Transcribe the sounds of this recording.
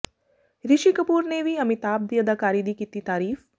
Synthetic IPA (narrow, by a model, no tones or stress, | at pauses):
ɾɪʃikəpuːɾneʋiɐmɪt̪aːb̚d̪ijəd̪akaːɾiːd̪ikiːt̪it̪aːɾiːf